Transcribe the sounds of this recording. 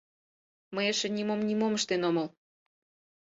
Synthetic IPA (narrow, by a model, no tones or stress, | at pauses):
məjeʃĕnʲimomnʲimomə̆ʃt̪enomɤl